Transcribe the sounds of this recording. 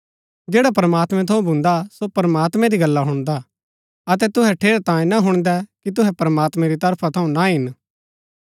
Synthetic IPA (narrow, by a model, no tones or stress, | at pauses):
d͡ʒeːɽap̬ɾəmaːt̪mɛ̃t̪ʰɐũbʱʊ̃nd̪asopɐɾəmaːt̪mɛ̃ɾiɡɐlːaɦʊɽ̃d̪a | ɐt̪̬ɛt̪ʊɦɛʈʰeːɾat̪ãːẽnaɦʊɽ̃d̪ɛkit̪̬ʊɦɛpɐɾəmaːt̪mɛ̃ɾit̪ɐɾpʰat̪ʰɐũnaɦɪn